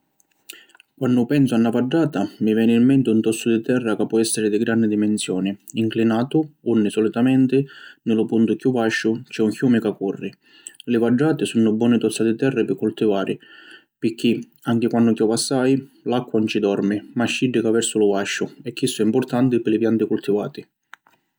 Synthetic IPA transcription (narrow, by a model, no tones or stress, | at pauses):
kwanːʊpɛnsʊanːavad͡ʒːaːt̪amivjɛːnɪimːɛnt̪ɪunt̪ɔt̪sːʊd̪ɪt̪ɛrːakapːɔɛsːɪɾɪd̪ɪɡɾandɪd̪imɛnsjɔːnɪiŋklinaːt̪ʊunːɪsɔlit̪amɛnt̪ɪnɪlʊpunt̪ʊkjuvaʃːʊt͡ʃɛuŋkjuːmɪkakːurːɪ | lɪvad͡ʒːaːt̪ɪsunːʊbːwɔːnɪt̪ɔt̪sːat̪ɪt̪ɛrːɪpɪkːult̪ivaːɾʔɪ | pɪkːi | aŋk̟ɪkwanːʊkjuvasːajlakːwant͡ʃid̪ɔrmɪmaʃːiɖːɪkavɛrsʊlʊvaʃːʊɛkːisːɛimpʊrt̪ant̪ɪpɪlɪpjant̪ɪkult̪iva̰ːt̪ɪ